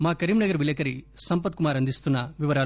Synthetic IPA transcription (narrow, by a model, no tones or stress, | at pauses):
maːkɐɾiːmnɐɡɐɾbiljɐkɐɾisɐmpɐt̪̚kumaːɾɐnd̪ʱist̪unːɐʋiʋɐɾaː